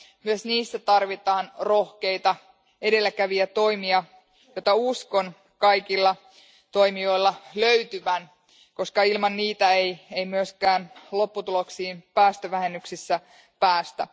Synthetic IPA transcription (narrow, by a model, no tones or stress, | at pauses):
myøsniːsːæt̪ɑrʋit̪ɑːnro̞hke̞jt̪ɑ | ede̞lːækæʋiæt̪o̞imiɑ | jot̪ːɑusko̞n | kɑjkilːɑ | t̪o̞imio̞ilːɑløyt̪yʋæn | ko̞skɑilmɑnːiːt̪æejeimyøskæːnlo̞pːut̪uloksiːmpæːst̪øʋæhe̞nːyksisːæ | pæːst̪æ̰